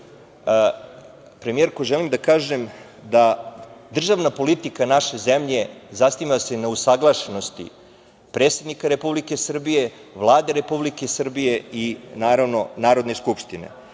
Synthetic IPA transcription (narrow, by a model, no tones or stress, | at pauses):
pɾemije̞ɾkoʒelimd̪akaːʒem | d̪ad̪r̩ʒaʋnapo̞lit̪ikanaʃe̞zemʎe̞zasnimasenausaɡlˠaʃeno̞st̪ḭ | pɾeːt̪sed̪nikaɾe̞publike̞sr̩bije̞ʋlˠaːd̪eɾe̞publike̞sr̩bije̞inaːɾaʋno̞naːɾo̞d̪ne̞skupʃt̪ine̞̰